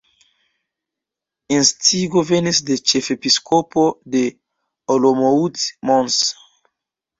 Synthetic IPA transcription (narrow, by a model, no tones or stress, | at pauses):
ĩnstʰiɡovɛnisdet͡ʃefepiskʰopʰode | olomoutmɔ̃ns